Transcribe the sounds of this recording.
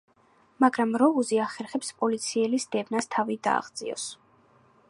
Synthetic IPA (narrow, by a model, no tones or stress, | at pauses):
maɡɾamɾɔuziaχɛɾχɛpspʼɔlit̪sʰiɛlisd̪ɛvnast̪ʰavid̪a̰ːʁd̪zʼḭɔ̰s